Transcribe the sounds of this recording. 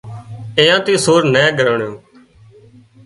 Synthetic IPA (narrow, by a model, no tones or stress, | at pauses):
ẽːjãːt̪ĩːsoːɾnɛ̃ːɡəɾɳjõː